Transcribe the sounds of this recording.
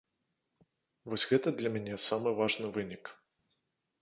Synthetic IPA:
vɔsʲɣɛt̪ɐd̪lʲɐmʲɛnʲɛsamɨvaʐnɨvɨnʲik

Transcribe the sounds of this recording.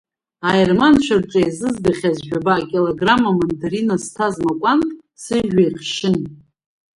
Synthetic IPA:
ajermant͡ʃʷʰarʈ͡ʂʼajzɨzdaχʲazʒᶣabaːkʲʼiloɡramamondaɾinastʰazmakʷʼantʼ | sɨʒᶣajχʃɪn

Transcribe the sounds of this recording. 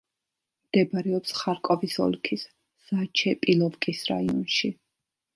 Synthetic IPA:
md̪̥ɛbaɾɛɔpsχaɾkʼɔvisɔ̰lkʰis | z̥at͡ʃʰɛpʼilˠɔvkʼisɾa̰iɔnʃi

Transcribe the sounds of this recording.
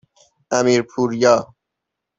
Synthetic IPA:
æmiːɾpʰuːɾjɒː

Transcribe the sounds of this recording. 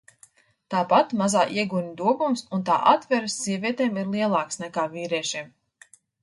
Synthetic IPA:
t̪aːpat̪mazaːʔiɛɡuɲʲid̪uɔɡumsunt̪a̰ːʔat̪vɛɾɨsːiɛviɛt̪ɛːmiɾlˠiɛlˠɑːksnɛkaːviːɾiɛʃiːm

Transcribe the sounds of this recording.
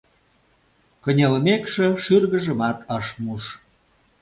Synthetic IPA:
kə̆nʲelmekʃĕʃyrɣəʒə̆mɑt̪ʰɑʃmuʃ

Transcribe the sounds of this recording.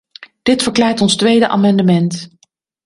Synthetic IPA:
d̥ɪtfəɹklaːɹtɔnstʋejdəʔa̰ːmɑndəmɛnt

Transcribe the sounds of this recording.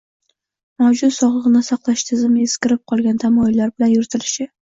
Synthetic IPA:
mawd͡ʒʊt̪sɒʁlɨʁɨnɪsɑqlˠaʃt̪ʰɪzɪmeskʲɪɾɪp̚qʰɒlˠɡʲant̪ʰamɒjɪlːaɾbɪlanjʊɾɪt̪ʰɪlɪʃɪ

